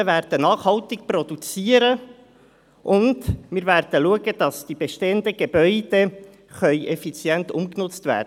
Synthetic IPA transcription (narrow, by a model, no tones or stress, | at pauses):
væːrd̥ənɑːχhɑwtɪk̚prɔd̥ut͡siːəɾə | ʔʊndmɪːɾvæɾd̥əluəɡəd̥ɑsd̥ibeʃteːənd̪əɡebœʏd̥e | χœʏʔɛfit͡sjɛnt̪ʊmknʊt͡st̪væ̰ːɾdə